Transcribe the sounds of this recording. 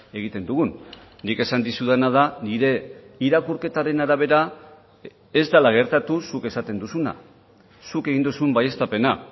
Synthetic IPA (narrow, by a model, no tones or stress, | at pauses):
e̞ɣ̞it̪e̞nd̪uɣunː | ike̞sand̪isuðenað̞aniɾe̞iɾakuɾke̞t̪aɾe̞naɾaβ̞e̞ɾa | e̞zd̪alaɣ̞e̞ɾt̪at̪usuke̞sat̪e̞nd̪usuna̰ | suke̞ɣind̪usumbaje̞st̪ape̞na